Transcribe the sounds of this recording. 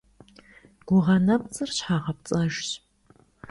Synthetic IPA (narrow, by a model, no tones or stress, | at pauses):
ɡ̥ʷʊʁɐnɐp̚t͡sʼɨrɕħaːʁɐp̚t͡sʼɐʒɕ